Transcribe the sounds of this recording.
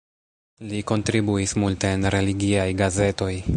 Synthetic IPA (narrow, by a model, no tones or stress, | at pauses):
liko̞ntɾibuismulte̞ːnɾe̞liɡiajɡaze̞to̞j